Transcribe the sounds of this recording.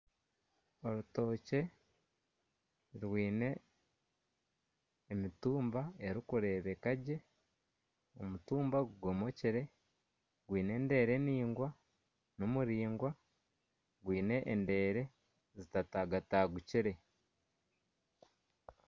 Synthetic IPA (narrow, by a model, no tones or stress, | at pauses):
o̞ɾuto̞ːce̞ | ɾwiːne̞ | mituːmbae̞ɾikuɾe̞ːβe̞kaɟe̞ | o̞mutuːmbaɡuɡo̞mo̞ciɾe̞ | ɡwiːne̞ːnde̞ːɾe̞niːŋɡwa | nomuɾiːŋɡwa | ɡwiːne̞ʔːnde̞ːɾe̞ | zitataɡataɡuciɾe̞